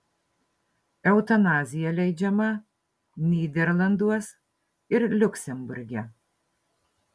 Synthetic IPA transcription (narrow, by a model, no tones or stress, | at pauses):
ɛʊt̪ɐnɑːzʲɪjɛlʲɛɪd͡ʒʲɛmɐ | nʲiːd̪ʲɛɾlˠɐnd̪uɔs | ɪɾlʲʊkʲsʲɛmbʊɾʲɡʲɛ